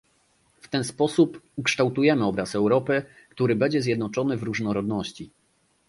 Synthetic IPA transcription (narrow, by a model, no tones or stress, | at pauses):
ft̪ɛnspɔsupukʂt̪awt̪ujɛmɘɔbɾasɛwɾɔpɘ | kt̪uɾɘbɛɲd͡ʑɛzʲjɛd̪nɔt͡ʂɔnɘvɾuʐnɔɾɔd̪nɔɕt͡ɕi